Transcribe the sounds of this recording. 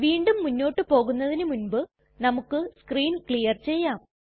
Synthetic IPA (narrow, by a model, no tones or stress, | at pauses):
ʋiːɳɖumːunːo̞ːʈːɨpo̞ːɣunːɐðinɨmunbɨ | nɐmukːɨskriːnkɭijɐrt͡ɕe̞jːaːm